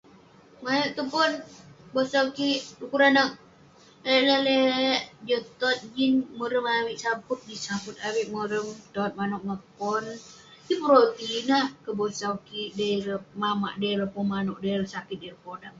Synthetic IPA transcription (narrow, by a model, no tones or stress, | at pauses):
majoʔt̪upʊnbosawkiʔdukuɾanək̚ | eləleʔd͡ʒət̪ɔt̪̚d͡ʒinməɾəmawiʔsaput̪̚disaput̪̚awiʔməɾəmt̪ɔt̪̚manɔʔŋəpɔn | dipəɾot̪inahkəbosawkiʔdaɾəmama̰ʔdeɾəpɔnmanɔʔdajɾəsakɪt̪̚dɛɾəpodam